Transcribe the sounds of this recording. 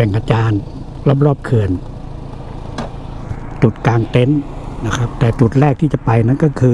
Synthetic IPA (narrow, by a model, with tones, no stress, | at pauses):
ɛː˨˩ŋʔaː˧˩t͡ɕaː˧n | la˧˥˨p̚lɔː˥˩p̚kʰɯ˨˩ən | t͡ɕu˨˩t̪̚kaː˧ŋt̪e˧˥nna˧˩kʰa˦˥p̚t̪ɛː˨˩t͡ɕu˨˩t̪̚ɾɛː˥˩k̚t̪ʰiː˧˩t͡ɕa˨˩˨pa˧jna˧˥˨nkɔː˥˩kʰɯː˧